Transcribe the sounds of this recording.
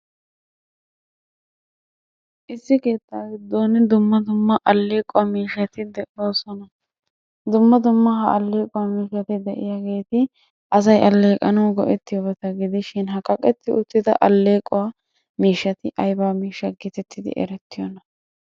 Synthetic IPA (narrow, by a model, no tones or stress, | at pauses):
ʔɪsːɪke̞ːt̪ːaːɡɪd̪ːoːnɪd̪ʊmːɐd̪ʊmːɐʔɐlːe̞ːkʼːɔwamiːʃɐt̪ɪd̪ɛʔoːsɔnɐ | d̪ʊmːɐd̪ʊmːɐɦɐʔɐlːe̞ːkʼɔwamiːʃɐt̪ɪd̪ɛʔɪ̰jaːɡe̞ːt̪ɪ | ʔɐs̬ɐjʔɐlːe̞ːkʼɐnɐːɡɔʔɛt̪ːɪjɔbɐt̪ɐɡɪd̪ɪʃɪnɦɐkʼːɐkʼɛt̪ːɪʊt̪ːɪd̪ɐ̰ʔɐlːe̞ːkʼːɔwa | miːʃːɐt̪ɪʔɐjbaːmiːʃːɐɡɪt̪ɛt̪ʰːɪd̪ɪ̰ʔɛ̰ɾɛt̪ːɪjɔnɐ